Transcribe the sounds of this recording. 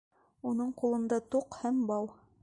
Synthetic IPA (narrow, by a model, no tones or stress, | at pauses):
unɤɴqulˠɤ̆nd̪ɑt̪uqhæmbɑw